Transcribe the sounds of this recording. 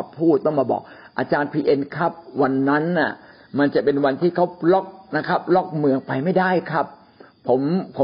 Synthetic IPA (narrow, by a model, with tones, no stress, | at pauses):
pʰːuː˥˩t̪̚ːɔ˥˩ŋmaː˧bɔ̰ː˨˩k̚ | ʔa˧t͡ɕaː˧npʰiː˧ʔe˧nkʰa˦˥p̚wa˧nːa˦˥nːa˥˩ | ma˧nt͡ɕa˨˩ʔpe˧nwa˧nt̪ʰiː˥˩kʰa˦˥wlɔ˦˥˩k̚na˦˥kʰa˦˥p̚lɔ˦˥˩k̚mɯ˧əŋpa˧jma˥˩jdaː˥˩jkʰɾa˦˥p̚ʰː | o˩˦mpʰo˩˦